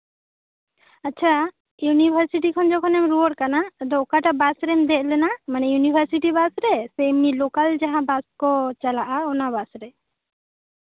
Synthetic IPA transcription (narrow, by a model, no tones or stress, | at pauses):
atːt͡ʃʰa | junibʱəɾsiʈikʰɔnd͡ʒɔkʰɔnɛmɾuwɔɽ̚kanad̪ɔkaʈabasɾɛmd̪ɛʔ̪̚ˀlɛnamanɛjunibʱəɾsiʈibasɾɛsɛmilokald͡ʒaɦãbaskɔt͡ʃalaʔaɔnabasɾɛ